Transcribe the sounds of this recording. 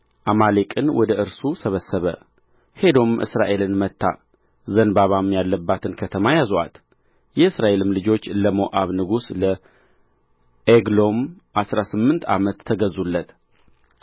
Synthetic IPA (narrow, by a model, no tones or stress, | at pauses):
ʔamalekʼɨnwɔd̪əʔɨɾsusəβəsəβə̰ | he̞d̪o̞mʔɨ̰sɾaʔe̞lɨnmət̪ʰːa̰ | zənbaβamjalːəbːat̪ʰɨnkʰət̪ʰəmajazoʔa̰t̪ | jɛɨsɾaʔe̞lɨmlɨd͡ʒo̞t͡ʃːləmoʔaβnɨɡuslə | ʔeɡlo̞mʔasɾasɨmːɨnt̪ʰa̰mət̪ʰːəɡəzulːət̪